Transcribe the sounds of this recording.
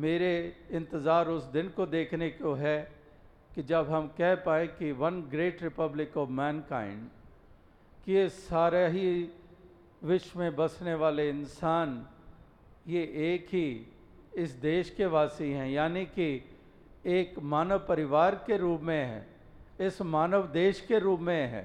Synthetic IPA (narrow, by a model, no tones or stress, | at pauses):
meːɾeɪ̃nt̪ɪzaːɾʊsd̪ɪnkod̪eːkʰnekoɦɛ | kid͡ʒɐbɦɐmkɛɦpaːẽkiʋɐnɡɾeːʈɾɪpəblɪkɔːʋmɛ̃ːnka̰ːɪ̃ɳɖ | kiesaːɾaɦi | ʋɪʃwmẽbɐsneʋaːleɪnsaːn | jeʔeːkɦi | ɪsd̪eːʃkeʋaːsiɦɛ̃jaːniki | eːkmaːnəʋpɐɾɪʋaːɾkeɾuːpmẽɦɛ̰̃ː | ɪsmaːnəʋd̪eːʃkeɾuːpmẽɦɛ̰ː